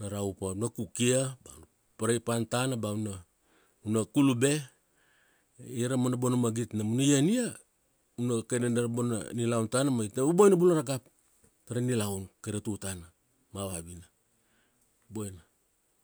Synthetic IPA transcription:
naɾawpaunakukiaba̰n | paɾajpantanabauna | unakulube̞ | iɾamonabonamaɡitnamunajania | unakananaɾabona̰nilawntanamaitnababojnabunaɾaɡap̚ | taɾanilawnkajnatutana | maβabina | bojna

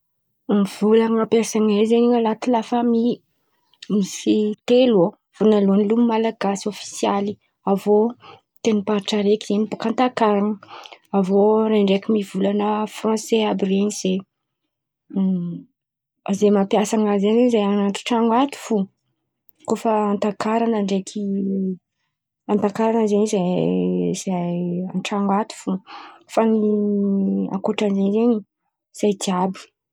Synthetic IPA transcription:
mv̥ulaŋapjasaŋazeniŋalat̪ilafəmi | misit̪elo | v̥onalonilummalaɡasiofi̥siali | avo | t̪enipaɾiʈ͡ʂaɾekienibokant̪akaɾaŋəavoɾaɳɖ͡ʐekimivulanəfrɔ̃seabireniz̥e | zemapiasaŋazeɲezajananʈ͡ʂu̥ʈ͡ʂaŋwat̪u̥fu | kofəant̪akaɾanəɳɖ͡ʐekʰi | ant̪akaɾanəzeɲiza | z̥aaʈ͡ʂaŋat̪u̥fufani | a̰koʈ͡ʂanzeɲzeɲi | z̥ajt̪iabi̥

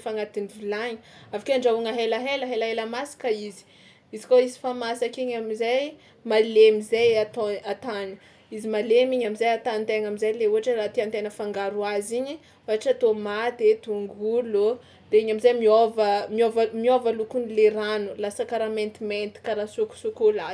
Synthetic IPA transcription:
faŋat̪inivilaɲiavakaɳɖ͡ʐauŋəɦeləɦeləɦelaɦeləmasi̥kəizi̥ | izi̥koizi̥famasakiɲamizaj | malemizejat̪oat̪ani̥ | izimalemiɲamizajat̪anint̪eŋamizajleuɦaʈ͡ʂərat̪iant̪enəfaŋɡaɾuaziɲi | uaʈ͡ʂat̪omat̪et̪uŋɡulo | d̪̥eiɲamizajmiovəmiovamiovalukunileɾanulasakaɾament̪iment̪i̥kaɾasuku̥sukola

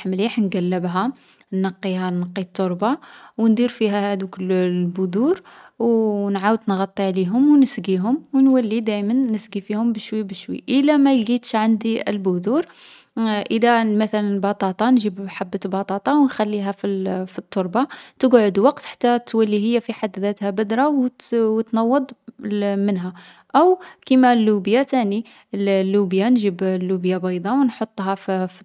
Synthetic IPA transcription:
ħmliħnɡælːəbɦæ | nːɑqːihænɑqːit̪ˤːoɾˤbɑwnd̪iɾfiɦæhæd̪ukəllbʊd̪uɾwnʕawəd̪nɣɑt̪ˤːiʕliɦʊmwnəsɡiɦʊmwnwælːid̪æjmənːəsɡifihʊmbəʃwibəʃwḭʔəlæmæjɡit̪ʃʕand̪iə̰lbʊd̪uɾ | ʔəd̪æmæθælənbɑt̪ˤɑt̪ˤɑnʒibħabːət̪bɑt̪ˤɑt̪ˤɑwnxælːiɦæfifit̪ˤːoɾˤbɑt̪əɡʕod̪wɑqt̪ħḁt̪ːæt̪ːwælːiɦəjːæfiħad̪ːðæt̪hæbəd̪ɾˤɑwwt̪nɑwːɑd̪ˤmənɦæ | ʔəwkimælːubjat̪æni | llːubjanʒiblːubjabɑjd̪ˤɑwnħot̪ˤːɦɑff

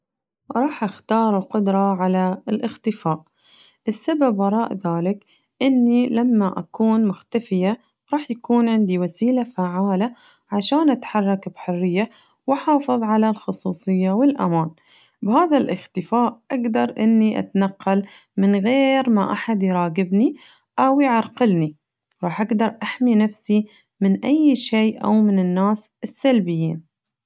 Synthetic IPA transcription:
ɾˤɑːħʔaxt̪ɑːɾˤuqʊd̪ɾˤɑʕalalʔɪxt̪ɪfaːʔ | ʔɪsːababɑɾˤɑːʔðaːlɪk | ʔɪnːilamːaʔakuːnmʊxt̪afɪja | ɾˤɑːħjakuːnʕɪnd̪iwasiːlafaʕaːla | ʕaʃaːnʔat̪ħɑrˤːɑkbħʊrːɪjːa | wɪħɑːfɨðˤʕalalxʊsˤuːsˤɨjːawɪlʔa̰maːn | bhaːðalʔɪxt̪ɪfaːʔʔaɡd̪ɑɾˤʔɪnːiʔa̰t̪anɑqːɑl | mɪnɣeːɾmaʔaħad̪jɾˤɑːɡɪbni | ʔawjʕɑɾˤqɪlni | ɾˤɑːħʔaɡd̪ɑɾˤʔaħminafsi | mɪnʔajːʃeːʔa̰wmɪnɪnːaːsɪsːalbɪjːiːn

